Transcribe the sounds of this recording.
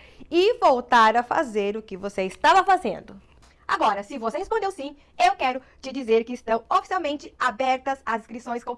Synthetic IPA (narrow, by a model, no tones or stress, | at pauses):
ɪvowt̪aɾɐfa̰zeɾʊkɪvoseɪst̪avɐfazḛ̃nd̪ʊ | a̰ɡɔɾɐsɪvosehespõnd̪ewsĩ | ewkɛɾʊ | t͡ʃɪd͡ʒizeɾkɪːst̪ɐ̃w̃ofi̥siawmẽnt͡ʃɪabɛɾt̪ɐzazĩskɾisõj̃skõ